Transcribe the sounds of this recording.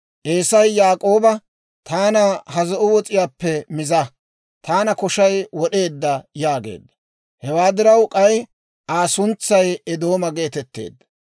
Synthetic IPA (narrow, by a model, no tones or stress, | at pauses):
ʔe̞ːsɐjːaːkʼo̞ːbɐ | t̪aːnɐhɐzɔʔʊwɔt͡sʼɪjaːpːɛmɪzɐ | t̪aːnɐkɔʃɐjwɔɗe̞ːd̪ːɐjaːɡe̞̰ːd̪ːɐ | hɛwaːd̪ɪɾɐwkʼɐj | ʔaːsʊnt͡sːɐjɛd̪o̞ːmɐɡe̞ːt̪ɛt̪ːe̞̰ːd̪ːɐ